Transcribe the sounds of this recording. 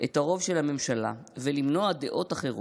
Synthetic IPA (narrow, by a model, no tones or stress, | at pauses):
ʔet̪aʁo̞vʃelhame̞mʃala̰velimno̞ade̞ʔo̞taχe̞ʁo